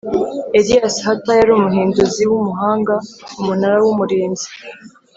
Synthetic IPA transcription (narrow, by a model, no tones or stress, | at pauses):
eɾiasihatajaɾuːmuɦiːnduziwumuɦaːŋɡaumunaɾawumuɾiːnzi